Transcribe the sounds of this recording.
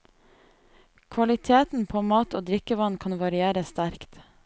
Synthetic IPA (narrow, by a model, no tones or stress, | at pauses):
kʰʋɑlɪt̪ʰeːt̪n̩pʰoːmɑːt̪oːd̪ɾɪkəʋɑnkʰɑnʋɑɾɪeːɾəst̪æɾkt̪